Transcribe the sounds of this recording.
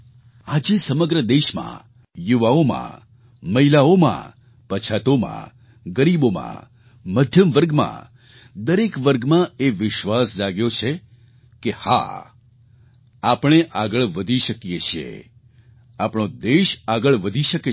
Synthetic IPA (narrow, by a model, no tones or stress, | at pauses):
ad͡ʒesəməɡɾəd̪eʃmã̰ | juʋaomã̰ | məɦilaomã̰ | pət͡ʃʰat̪omã̰ | ɡəɾibomã̰ | məd̪ʱjəmʋəɾɡmã̰ | d̪əɾekʋəɾɡmãeʋɪʃʋasd͡ʒaɡjot͡ʃʰe | keha̰ | apɳ̃eʔaɡəɭʋəd̪ʱiʃəkijet͡ʃʰiḛ | apɳod̪eʃaɡəɭʋəd̪ʱiʃəke